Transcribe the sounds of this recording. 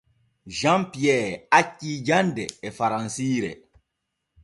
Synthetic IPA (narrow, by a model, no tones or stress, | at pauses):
ʒãmpijɛːacːiːd͡ʒandɛːfaɾãnsiːɾɛ̰